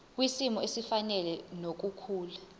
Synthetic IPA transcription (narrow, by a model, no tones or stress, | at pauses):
k̬wisimɔesifanɛlɛnok̬ukʰuːla